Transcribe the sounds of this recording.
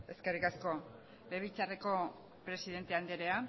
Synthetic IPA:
e̞ske̞rikasko̞ | leβit͡sare̞ko̞ | pɾe̞siðe̞nt̪e̞and̪eɾe̞a

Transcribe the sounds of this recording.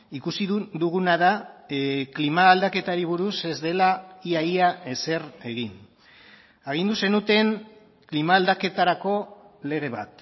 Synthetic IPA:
ikusid̪uɣunaða | klimaːld̪ake̞t̪aɾiβ̞uɾuse̞zd̪e̞laiaiae̞se̞re̞ɣin | aɣ̞ind̪use̞nut̪e̞ŋ | klimaːld̪ake̞t̪aɾako̞ | le̞ɣ̞e̞β̞a̰t̪

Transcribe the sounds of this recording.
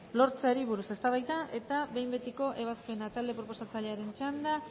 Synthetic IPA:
lo̞ɾt͡seaɾiβ̞uɾuse̞st̪aβajðaʔe̞t̪aβe̞jmbe̞t̪iko̞ʔe̞βaspe̞nat̪ald̪e̞pɾo̞po̞sat͡saʎe̞aɾe̞nt͡ʃand̪a

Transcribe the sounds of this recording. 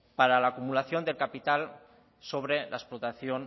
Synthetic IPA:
paɾalaːkumulaθjond̪elkapit̪al | soβ̞ɾelaesplot̪aθjon

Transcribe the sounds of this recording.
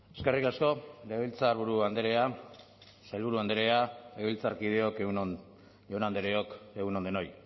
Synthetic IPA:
e̞ske̞rikasko̞leβilt͡saɾβuɾuand̪eɾe̞a | saelβuɾuand̪eɾe̞aeɣilt͡saɾkið̞e̞o̞ke | onand̪eɾeoke̞ɣunond̪eno̞j

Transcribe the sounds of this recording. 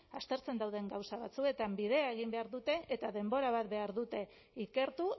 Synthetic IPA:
ast̪e̞ɾt͡se̞nd̪awð̞e̞ŋɡawsaβ̞at͡sue̞t̪ambið̞e̞ae̞ɣ̞imbe̞aɾðut̪e̞ʔːt̪aðe̞mbo̞ɾaβ̞at̪̚be̞aɾðut̪e̞ | ike̞ɾt̪u

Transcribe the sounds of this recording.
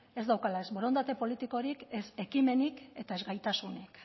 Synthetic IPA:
e̞zd̪awkalae̞zβo̞ɾo̞nd̪at̪e̞po̞lit̪iko̞ɾike̞se̞kime̞nike̞t̪ae̞zɣajt̪asunik

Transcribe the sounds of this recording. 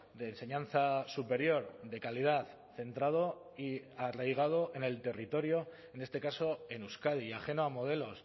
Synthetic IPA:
d̪e̞ːnse̞ɲãn̟θasupe̞ɾjo̞ɾðe̞kalið̞aθ | θe̞nt̪ɾað̞o̞ | iarajɣ̞að̞o̞ʔe̞ne̞lt̪e̞rit̪o̞ɾjo̞ | e̞ne̞st̪e̞kaso̞e̞nuskað̞iaχe̞no̞amo̞ð̞e̞lo̞s

